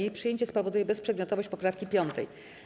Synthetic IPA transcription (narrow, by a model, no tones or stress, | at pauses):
ejpʂɨjeɲt͡ɕɛspɔvɔd̪ujɛbɛspʂɛd̪mʲjɔt̪ɔvɔɕt͡ɕpɔpɾafkʲipʲjɔnt̪ɛ̰j